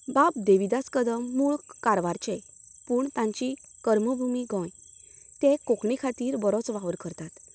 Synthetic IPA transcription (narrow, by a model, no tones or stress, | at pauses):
bap̚d̪eʋid̪askəd̪əmːuɭkaɾʋaɾt͡ɕepuːɳt̪ãɲt͡ɕikəɾməbʱumiɡɔ̃jt̪ẽkokɳikʰat̪iːɾbəɾɔt͡sʋaʋəɾkəɾt̪at̪